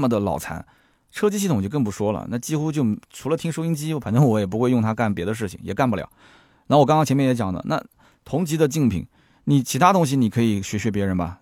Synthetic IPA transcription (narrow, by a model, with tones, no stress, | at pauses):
mə˨˩d̪ə˩lɑ̰˨˩ʊt͡sʰa̰˧˥n | ʈ͡ʂʰɤ˥t͡ɕi˥ɕi˥˩ʊ˨˩ŋt͡ɕo˥˧ʊkɤ˥˩ŋpu˧˥ʂwɔ˥lə̰˩na˥˩t͡ɕi˥xu˥t͡ɕjo˥˩ʊʈ͡ʂʰu˧˥lə˧t̪ʰi˥ŋʂo˥ʊi˥ŋt͡ɕi˥˩fa˨nʈ͡ʂɤ˥ŋwɔ˧˥jɛ˨˩p̬u˧˥xwe˧jʊ˥˩ŋt̪ʰa˥ka˥˩npjɛ˧˥d̪ə˧ʂ̬ɻ̩˥˩t͡ɕʰḭ˩ŋjɛ˨˩ka˥˩npu˧˩ljɑ̰˨˩˦ʊ | na˧˥wɔ˨˩kŋkɑ˥ŋt͡ɕʰɛ˧˥mɛ˥˩jt͡ɕjɑ̰˨˩ŋd̪ə̰˦na̰˥˩ | t̪ʰʊ˧˥ŋt͡ɕi˧˥d̪ə˧t͡ɕi˥˩ŋpʰḭ˨˩˦ŋ | ni˨˩t͡ɕʰi˧˥t̪ʰa˥t̪ʊ˥ŋɕ̬i˧˨ni˨˩kʰɤ˧˥i˨˩ɕɥɛ˧˥ɕɥɛ˧˥pjɛ˧˥ɻə˧˥nbɐ˨